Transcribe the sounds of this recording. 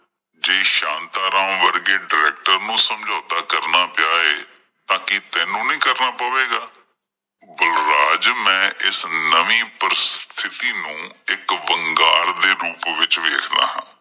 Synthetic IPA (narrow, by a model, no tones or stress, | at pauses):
d͡ʒeːʃãːnt̪aːɾãːmʋəɾɡeːɖɪɾɛːk̚ʈəɾnũːsəmd͡ʒoːt̪aːkəɾnaːpɪjaːeː | t̪ãːkɪt̪ɛ̃ːnũːnĩːkəɾnaːpaːʋeːɡaː | bʊlɾaːd͡ʒmɛ̃ːʔɪsnəʋiːpəɾɪst̪ʰɪt̪iːnũːɪkʋəŋɡaːɾd̪eːɾuːpʋɪt͡ʃʋḛːkʰd̪a̰ːɦã̰ː